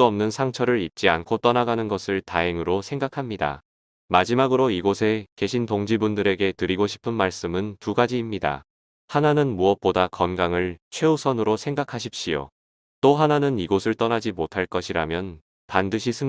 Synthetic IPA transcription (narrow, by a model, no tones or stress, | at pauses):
uʌmnɯnsʰaŋt͡ɕʰʌɾɯɾip̚t͡ɕ͈iankʰot͈ʌnaɡanɯnɡʌsʰɯɭtaeŋɯɾosʰe̞ŋɡakʰamɲida̰ | mad͡ʑimaɡɯɾoiɡosʰe̞ke̞ɕʰinpoŋd͡ʑibundɯɾe̞ɡe̞tɯɾiɡoɕʰi̥pʰɯnmaɭs͈ɯmɯntuɡad͡ʑiːmɲida̰ | hananɯnmuʌp͈odakʌnɡaŋɯɭt͡ɕʰwe̞usʰʌnɯɾosʰeŋɡakʰaɕ̬ʰip̚ɕ͈ijo̰ | t͈oɦananɯniɡosʰɯɭt͈ʌnad͡ʑimotʰaɭk͈ʌɕʰiɾamjʌn | pandɯɕʰisʰɯ